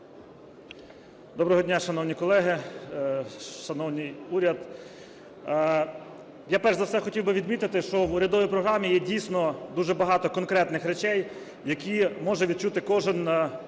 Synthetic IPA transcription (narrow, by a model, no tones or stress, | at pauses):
d̪ɔbɾɔɦɔdʲnʲaʃɐn̪ɔwnʲikɔlˠɛɦɪ | ʃɐnɔwnɪjuɾʲɐd̪ | japɛrzɐwsɛxɔtʲiwbɪʋʲid̪mʲit̪ɪt̪ɪʃɔwʊɾʲɐd̪ɔʋʲijpɾɔɦɾɑmʲijɛdʲijsʲnɔd̪uʒɛbɐɦɑt̪ɔkɔnkɾɛt̪nɪxɾet͡ʃɛj | jɐkʲimɔʒɛʋʲid̪̚t͡ʃut̪ɪkɔʒɪn